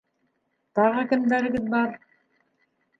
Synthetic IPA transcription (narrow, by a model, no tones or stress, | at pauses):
t̪ɑʁɑkɘ̆md̪æɾɘ̆ɡɘðbɑɾ